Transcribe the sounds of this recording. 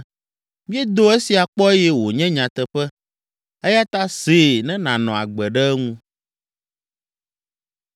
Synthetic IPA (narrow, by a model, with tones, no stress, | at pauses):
mĩ˦ɛ˦d̪o˦e˦si˨a˨k͡pɔ˦e˦jɛ˦wo˨ɲɛ̃˦ɲã˨t̪ɛ˨ɸɛ˦ | ɛ˦ja˦t̪a˦seː˨nɛ̃˦nã˨nɔ̃˨a̰˨ɡ͡bɛ˨ɖɛ˦ɛ˦ŋũ˦